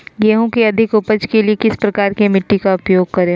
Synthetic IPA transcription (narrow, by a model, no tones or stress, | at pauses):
ɡeːɦõkeɐd̪ʱɪkʊpəd͡ʒkeliekɪspɾɐkaːɾkemɪʈːikaʊpjoːɡ̚kɐɾẽ